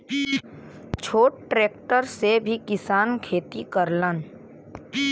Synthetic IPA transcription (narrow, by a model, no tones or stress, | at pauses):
t͡ʃʰoːʈ̚ʈɾeːk̚ʈəɾsebʱikɪsaːnkʰeːt̪ikəɾlən